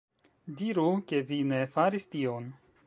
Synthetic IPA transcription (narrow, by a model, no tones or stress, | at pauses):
diɾuke̞vine̞faɾistio̞n